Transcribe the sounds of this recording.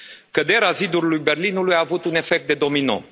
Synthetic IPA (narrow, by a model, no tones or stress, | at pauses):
kəd̪e̞ɾeazid̪uɾlujbe̞rlinulujaːvut̪une̞fek̚t̪̚d̪e̞d̪o̞mino̰